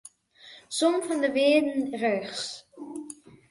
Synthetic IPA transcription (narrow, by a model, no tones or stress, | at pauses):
somfɔndəʋɪːdn̩røːχs